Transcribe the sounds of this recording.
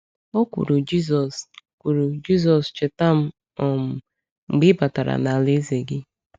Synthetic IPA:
o˦kʷṵ˨ɾu˨d͡ʒi˦zɔ˨skʷu˨ɾu˨d͡ʒi˦z̬ɔ˨st͡ʃɪ˨ta˦m̩˦ | ɔ˨m̩˨ | ŋ͡m̩˨ɡ͡bɪ˦ba˨ta˨ɾa̰˨na˨le˦ze˨ɡɪ˦

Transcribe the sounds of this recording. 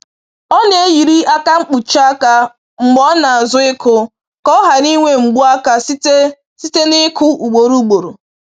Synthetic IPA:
ɔ˦ne˨e˦ji˨ɾi˦a˦ka˦ŋ͡m̩˦k͡pu˨t͡ʃa˦ka˦ | ŋ͡m̩˨ɡ͡bɔ˦na˨a˨zʊ˦ɪ˦kʰʊ˨ | kɔ˦ɦa˨ni˦ŋʷe˦ŋ͡m̩˨ɡ͡bu˦a˦ka˦s | si˦te˦nɪ˦kʰʊ˦u˨ɡ͡bo˨ɾu˦ɡ͡bo˨ɾo̰˨

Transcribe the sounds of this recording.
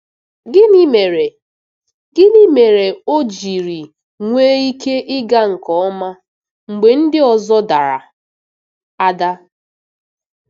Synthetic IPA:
ɡɪ˦ni˦me˨ɾe˨ | ɡɪ˦ni˦me˨ɾe˨o˦d͡ʒi˨ɾi˨ | ŋʷeː˦i˦kʰe˦ʔɪ˦ɡa˦ŋ̩˨kɔ˨ɔ˦ma˦ | ŋ͡m̩˨ɡ͡be˨n̩˦dɪ˦ɔ˨zɔ˦da˨ɾa̰˨ | a˦da˦

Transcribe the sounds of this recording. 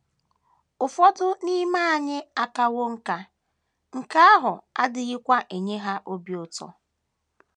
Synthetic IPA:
ʊ˨fɔ˦tʊ˦ni˦ma˦a˨ɲɪ˦a˦ka˦wo˦ŋ̩˦ka˦ | ŋ̩˨ka˦a˦ɦʊ˨a˦dɪ˨ɣɪ˦kʷa˦ʔe˨ɲe˦ɦa˦ʔo˦bi˨ʊ˨tɔ̰˦

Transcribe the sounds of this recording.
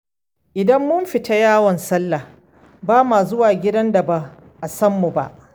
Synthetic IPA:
ʔɪ˨dɐ˦mːʊ˦mɸɪ˨ta˦jaː˦wɔ˨nsɐ˦lːa˨ | baː˦maː˨zʊ˦waː˨ɡʲɪ˦dɐ˦nda˨ba˦ | ʔa˨sɐ˦mːu˨ba̰˦ʔ

